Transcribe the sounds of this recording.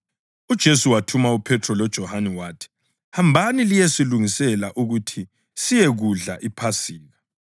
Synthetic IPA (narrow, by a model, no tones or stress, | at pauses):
ud̥ʒ̥ʱesuwatʰumaupʰɛtʰrɔlɔd̥ʒ̥ʱɔhanɛwaːtʰi̥ | hambʱanilijesiluŋisɛlaʔuɣutʰi | sijeɣuɮa̰ʔipʰasiːɣa